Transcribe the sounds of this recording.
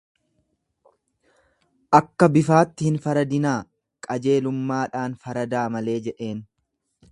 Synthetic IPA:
ʔɐkːɐbɪfaːt̪ːɪhɪnfɐɾɐd̪ɪnaː | kʼɐd͡ʒe̞ːlʊmːaːᶑaːnfɐɾɐd̪aːmɐle̞ːd͡ʒɛᶑe̞ːn

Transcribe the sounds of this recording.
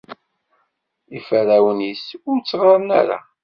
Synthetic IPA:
ifəɾæwənisʊɾt͡sːʁɑɾˤnæ̰ɾa̰

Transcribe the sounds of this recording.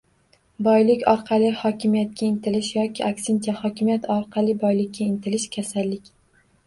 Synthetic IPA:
bɒjlɪkʲɒɾqʰɑlˠɪhɒkʲʰɪmijat̪̚kʲʰaɪnt̪ʰɪlɪʃjɒkʲʰɪakʲsɪnt͡ʃ̪ʰahɒkʲʰɪmjat̪ʰɒɾqʰɑlˠɪbɒjlɪk̚ʲːaɪnt̪ʰɪlɪʃkʲʰasalːɪkʲ

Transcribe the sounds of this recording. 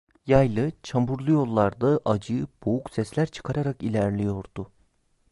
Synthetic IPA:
jajlˠɯt͡ʃʰambuɾlˠujo̞lˠːaɾd̪ɯʔad͡ʒɯb̥ouksɛslʲæɾt͡ʃʰɯ̥kʰaɾaɾakilʲæɾlʲijo̞ɾd̪̥ʊ

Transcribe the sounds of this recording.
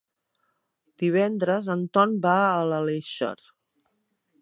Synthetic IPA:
d̪̥iβ̞ɛnd̪ɾəzənt̪ɔnbaələleʃə̰ɾ

